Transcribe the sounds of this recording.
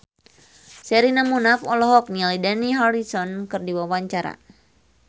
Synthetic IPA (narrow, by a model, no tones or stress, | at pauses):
sɛɾinamunafɔlɔɦɔk̚nilidaniɦaɾisɔnkɨrdiwawaɲt͡ʃaɾa̰